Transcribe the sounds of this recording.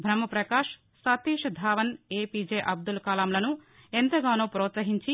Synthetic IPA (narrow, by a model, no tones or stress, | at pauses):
bʱɾɐmɐpɾɐkaːʂ | sat̪iːʂɐd̪ʱaːʋɐneːpiːd͡ʒeːʔɐb̚d̪ulkaːlaːmlɐnu | ent̪ɐɡaːnoːpɾɔːt̪sɐɦiɲt͡ʃi